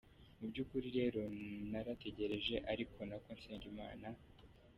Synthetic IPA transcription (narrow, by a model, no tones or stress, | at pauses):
mubɟuːkuɾiɾe̞ːɾo̞naɾate̞ɟe̞ɾe̞ʒe̞ʔaɾikʰo̞nakoːnseːɲɟima̰ːna